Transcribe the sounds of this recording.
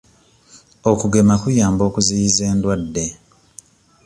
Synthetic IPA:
o̞kuɡe̞makujaːmbo̞ːkuzijize̞ːndwadːe̞

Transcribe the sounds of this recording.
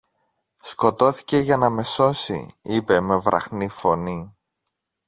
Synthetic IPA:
sko̞t̪o̞θi̥ce̞ʝɐnɐme̞so̞sḭipe̞me̞vɾʔɐ̰xnifo̞ni

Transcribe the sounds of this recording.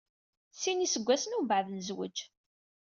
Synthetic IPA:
sinisəɡʷːæsənubʕðənzwə̰d͡ʒ

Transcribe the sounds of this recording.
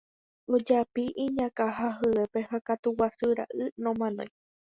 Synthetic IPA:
od͡ʒapiʔĩɲãkaɦaɦɨe̞pe̞hakat̪uwasɨɾa̰ʔɨnõmãnõj̃

